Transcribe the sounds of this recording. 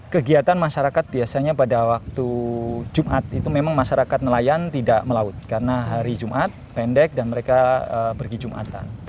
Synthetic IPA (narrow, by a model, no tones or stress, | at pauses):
kəɡiat̪anmaʃaɾakat̪̚biasaɲapadawak̚t̪ud͡ʒumʔat̪̚it̪umemaŋmaʃaɾakat̪̚nəlajant̪idaʔməlaʊt̪̚kaɾənaɦaɾid͡ʒumʔat̪̚pɛndɛk̚danməɾekaəpərɡid͡ʒumʔa̰t̪a̰n